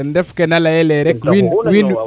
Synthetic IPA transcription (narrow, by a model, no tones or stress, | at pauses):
ndɛfkɛnalajɛlɛɾɛkwinwin